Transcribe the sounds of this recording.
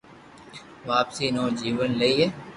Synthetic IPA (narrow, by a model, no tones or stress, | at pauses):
ʋaːpsiːnoːd͡ʒiːʋənləiːɦeː